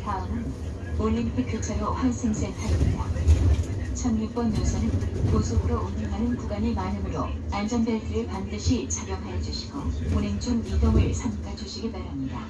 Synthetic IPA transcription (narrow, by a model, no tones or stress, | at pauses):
taʌŋɯn | oʎːimpʰik̚kot͡ɕʰaɾoɸansʰeŋsʰeŋtʰaɡʌmɲida | t͡ɕʰʌnjup͈ʌnjʌsʰʌnɯnkosʰoɡɯɾoumɲiŋɦanɯnkuɡanemanɯmɯɾoand͡ʑʌnbeɭkiepandɯɕʰit͡ɕʰaɡjʌŋɦajʌd͡ʑuɕʰiɡoonend͡ʑumːidoŋɯɭsʰamɡ͈ʰad͡ʑuɕʰiɡimaɾamɲida